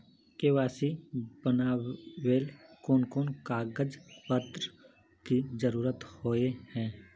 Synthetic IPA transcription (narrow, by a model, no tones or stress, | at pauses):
keʋaːsibənaːweːlkoːnkoːnkaːɡəd͡ʒpət̪ɾ | kizəɾuːɾət̪hoːehɛ̃ː